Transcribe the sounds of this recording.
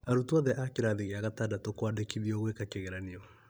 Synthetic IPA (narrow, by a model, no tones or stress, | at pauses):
aɾutuaðɛʔakeɾaðiɣeaɣatadatokwadekiðiɔɣwekakeɣeɾaniɔ